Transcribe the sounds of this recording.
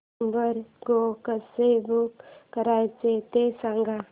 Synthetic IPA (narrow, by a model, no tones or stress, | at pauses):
bəɾɡokəsebukkːəɾaːet͡ʃet̪esãŋɡa